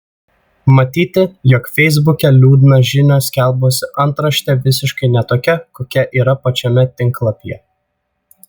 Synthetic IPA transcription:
mɐt̪ʲiːt̪ʲɪjɔkfʲɛɪzbʊkʲɛlʲuːd̪ʲnɐʒʲɪnʲoːsʲkʲɛlˠboːsʲɪʔɐnˑt̪ɾɐʃʲt̪ʲɛʋʲɪsʲɪʃkɐɪnʲɛt̪oːkʲɛkoːkʲɛʔiːɾɐpɐt͡ʃʲɔmʲɛt̪ʲɪŋklˠɐpʲjɛ

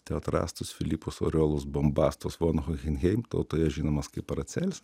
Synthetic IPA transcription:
t̪ʲɛɐt̪ɾɑ̰ːst̪ʊsfʲɪlʲiːpʊso̰ːɾʲoːlˠʊsbombɑːst̪osʋoːnɣoɣʲɪnʲɣʲɛɪmt̪ɐ̰ʊt̪oːjɛʒʲiːnoːmɐskɐɪpɐɾɐt̪sʲɛlʲs

